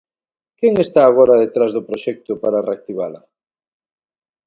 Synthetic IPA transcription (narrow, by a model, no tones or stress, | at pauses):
keŋest̪aːɣ̞oɾaðet̪ɾazðʊpɾoʃɛk̚t̪ʊpaɾareak̚t̪iβala